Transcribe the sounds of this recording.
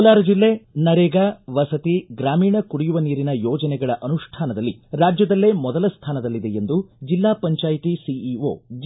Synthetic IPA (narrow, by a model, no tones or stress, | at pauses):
laːɾɐd͡ʒilːe̞ːnɐɾeːɡaːʋɐsɐt̪iɡɾaːmiːɳɐkuɽijuʋɐniːɾinɐjɔːd͡ʒɐnɛɡɐɭɐʔɐnuʂʈʰaːnɐd̪ɐlːiɾaːd͡ʒjɐd̪ɐlːe̞ːmɔd̪ɐlɐst̪ʰaːnɐd̪ɐlːid̪ejend̪ud͡ʒilːaːpɐɲt͡ʃaːjt̪isiio̰ː